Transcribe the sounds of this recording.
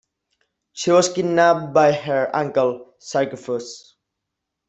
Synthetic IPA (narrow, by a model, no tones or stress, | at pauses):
ʃiwɔsɡɪdnap̚bajɦə˞ãŋkəl | sakəfɔs